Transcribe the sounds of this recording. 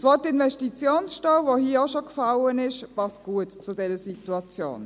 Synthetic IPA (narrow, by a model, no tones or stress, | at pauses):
sʋɔːtɪnvɛʃtit͡sjoːnsʃtaʊvohiːəoʃokfalənɪʃpɑst̚ɡ̥uətt͡sʊdɛɾəsituɑt͡sjo̰ːn